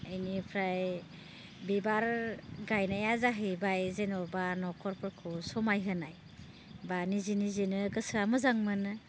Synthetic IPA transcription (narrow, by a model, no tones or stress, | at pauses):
əjnipʰɾaj | bibaɾɡajnajazaɦibajzenɔbanɔkʰɔɾpʰɯɾkʰusɔmajɦɯnaj | banizinizinɯɡɯsɾamɯzaŋmɯnɯ